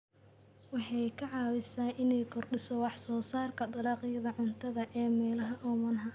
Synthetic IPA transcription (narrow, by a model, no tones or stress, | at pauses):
wɑħɑjkʰɐʕɑːwɪsaːʔɪnɛjkʰɔrɖɪsɔwɑħsɔːsaːrkʰɐd̪ɑlɑːqɪjɐðɐʕʊnt̪ʰɐðɐʔɛːmɛːlɐɦɐʔɔːmɐnɦɐ